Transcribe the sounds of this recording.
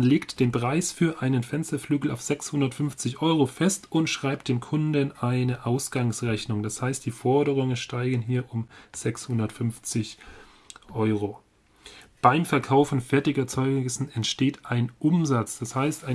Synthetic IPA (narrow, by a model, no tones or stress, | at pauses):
nleːktd̥eːnpʁ̥aɪsfyːɐʔaɪnənfɛnstɐflyːɡl̩a̰ʊfz̥ɛkshʊndɐtfʏnft͡sɪçʔɔʏʁofɛstʊntʃʁ̥aɪp̚t̚d̥eːmkʰʊndənʔaɪnəʔaʊsɡ̥aŋsʁɛçnʊŋd̥ashaɪst̚d̥iːfɔɐɾəʁ̞ʊŋənʃtaɪɡənɦiːɐʔʊmz̥ɛkshʊndɐtfʏnft͡sɪç | ʔɔʏʁo | b̥aɪmfɛɐkʰaʊfn̩fɛɐtɪçɐt͡sɔʏsn̩ɛntʃteːtʔaɪnʔʊmzat͡sd̥ashaɪstaɪ